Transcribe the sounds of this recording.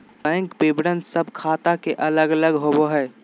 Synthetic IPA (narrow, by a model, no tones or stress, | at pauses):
bɛ̃ːŋkbeːbɾənsəbkʰaːt̪akeʔɐləɡələɡɦoboɦɛː